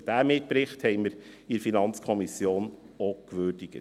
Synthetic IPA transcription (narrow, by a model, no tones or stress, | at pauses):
d̥æːmɪt̚pɾɪχthɛɪməɾ | iɾfinɑnt͡skʰɔmisjoːn | okʋøːɾd̥iɡ̥ə